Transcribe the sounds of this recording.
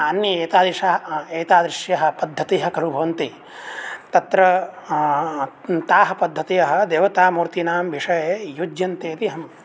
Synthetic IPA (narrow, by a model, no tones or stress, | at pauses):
ɐnjɐeːt̪aːd̪ɾiʂɐɦɐeːt̪aːd̪ɾɪʂjɐɦɐ̆pɐd̪ʱːɐt̪iɦɐ̆kɐɾubʱɐʋɐnt̪i | t̪ɐt̪ɾɐ | t̪aːɦɐ̆pɐd̪ʱːɐt̪ijɐɦɐ̆d̪eːʋɐt̪aːmuːɾt̪inaːmʋiʂɐjeːjud͡ʒjɐnt̪eːt̪iɦɐm